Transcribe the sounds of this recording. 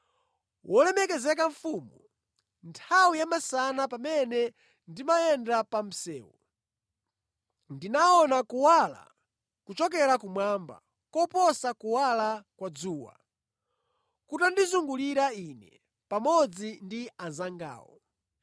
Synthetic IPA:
wɔlɛmɛkɛzɛkaɱfuːmu | ntʰawijamasanapamɛnɛ | ndimajɛndapam̩sɛːwɔ | ndinaɔnakuwala̰ | kut͡ʃɔk̬ɛɾakumwamba̰ | kɔpɔsakuwalakwad͡zuːwa̰ | kutandizuŋɡuliɾainɛ | pamɔd͡zindianzaŋɡa̰ːwɔ̰

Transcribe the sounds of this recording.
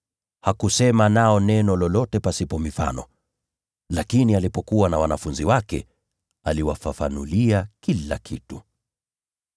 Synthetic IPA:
hakusɛmanaɔnɛnɔlɔlɔtɛpasipɔmifa̰nɔ | lakinialipɔkuwanawanafunziwakɛ̰ | aliwafafanuliakila̰kʰitu

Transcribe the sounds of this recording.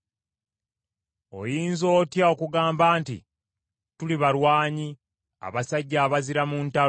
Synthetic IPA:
o̞̰jiːnzo̞ːtjao̞kuɡaːmbaːntḭ | tuliβaɾwaːɲi | a̰βasaɟːaːβaziɾamunta

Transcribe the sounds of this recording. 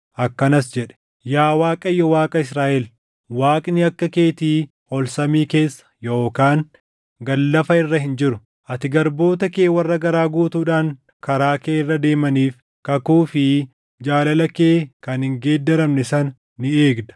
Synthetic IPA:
ʔɐkːɐnɐs̬d͡ʒɛᶑɛ̥ | jaːwaːkʼɐjːɔwaːkʼɐɪs̬ɾaːʔɛl | waːkʼnɪɐkːɐke̞ːt̪iː | ɔlsɐmiːke̞ːsːɐ̥jo̞ːkaːŋ | ɡɐlːɐfɐɪrːɐhɪnd͡ʒɪɾʊ | ʔɐt̪ɪɡɐɾbo̞ːt̪ɐke̞ːwɐrːɐɡɐɾaːɡuːt̪uːᶑaːŋ | kɐɾaːke̞ːɪrːɐd̪e̞ːmɐniːf | kɐkuːfɪ | d͡ʒaːlɐlɐkeːkɐnhɪŋɡe̞ːd̪ːɐɾɐmnɛsɐnː | ɪeːɡd̪ɐ̥

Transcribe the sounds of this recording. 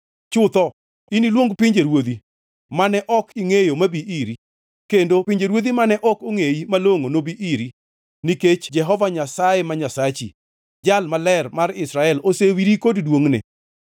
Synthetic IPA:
t͡ʃʊt̪ɔ | inilwoŋɡpiɲd͡ʒeɾwod̪i | manɛʔɔkiŋejomabiʔiɾi | kendopiɲd͡ʒeɾwod̪imanɛʔɔkoŋeimaloŋonobiʔiɾi | niket͡ʃd͡ʒɛɦɔvaɲasajemaɲasat͡ʃḭ | d͡ʒalmalɛrmarɪsɾaɛlosewiɾikoddwoŋnɪ̰

